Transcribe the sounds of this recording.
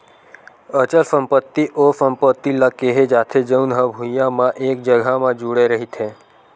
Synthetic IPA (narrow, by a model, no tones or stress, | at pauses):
ət͡ʃəlsə̃mpət̪ːiʔosəmpət̪ːilakeɦed͡ʒaːt̪ʰed͡ʒəunɦəbʱũjjãmãʔeːk̚d͡ʒəɡʱamãd͡ʒuɽeɾəɦit̪ʰɦe